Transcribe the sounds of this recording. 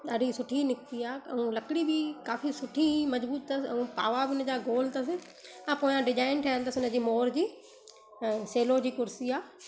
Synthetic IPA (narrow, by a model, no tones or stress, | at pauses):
ɐɾisʊʈʰinɪkt̪iaːɐ̰ũlɐkɽibʱikaːfisʊʈʰimɐd͡ʒbuːt̪̚t̪ɐsɐ̰ũpa̰ːʋabʱiʊnəd͡ʑaːɡoːlt̪ɐs̬e | ãpoːjãɖɪd͡ʒaːɪnʈʰɐjə̃nt̪ɐsʊnə̃d͡ʑiːmoːɾd͡ʑĩː | seːlod͡ʑiːkʊɾsiaː